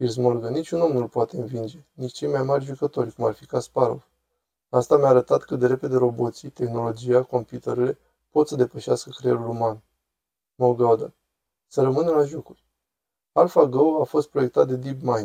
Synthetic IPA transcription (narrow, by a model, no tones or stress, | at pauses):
filz̬mo̞rɡənit͡ʃʲuno̞mnulpoat̪eɨnvind͡ʒe̞nit͡ʃt͡ʃejmajmarʲʒukət̪o̞rʲkumarfikaspaɾo̞̰v | ast̪ameaːɾət̪at̪kɨt̪d̪e̞ɾe̞pe̞d̪e̞ɾo̞bo̞t̪sit̪e̞xno̞lo̞d͡ʒiako̞mpjut̪eɾele̞ | po̞t̪səd̪e̞pəʃɪaskəkɾeeluluman | molɡad̪ə | səɾəmɨnəlaʒokurʲ | alfaɡowafo̞st̪̚pɾoek̚t̪at̪̚d̪ed̪ibmajn